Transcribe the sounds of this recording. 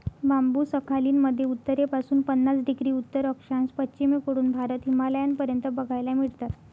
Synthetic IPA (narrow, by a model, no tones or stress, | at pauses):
bambuːsəkʰaliːnməd̪ʱːjeut̪ːəɾepasuːnpənːat͡sɖiɡɾiːut̪ːəɾəkʂãnspətːɕimekoɽuːnbʱaɾət̪ɦimaləjanpəɾjənt̪əbəɡʱajlamiɭt̪at̪